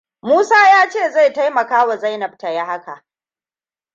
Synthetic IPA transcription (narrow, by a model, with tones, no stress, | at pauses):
muː˦saː˦jaː˦t͡ʃeː˦˨za˦˨jta˦jmɐ˨kaː˦wa˨za˦jnɐ˨b̚tɐ˨ja˦ha˦ka̰˨ʔ